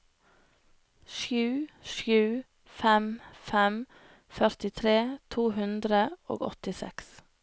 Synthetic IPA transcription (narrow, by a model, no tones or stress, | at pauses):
ʃjʉːʃjʉː | fɛmfɛm | fœɾt̪ɪt̪ʰɾeːt̪ʰuːhʉnd̪ɾəo̰ːɡɔ̰t̪ɪsɛ̰ks